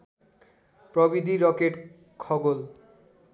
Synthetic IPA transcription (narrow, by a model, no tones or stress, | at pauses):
pɾobid̪ʱiɾɔkeʈ | kʰɔɡol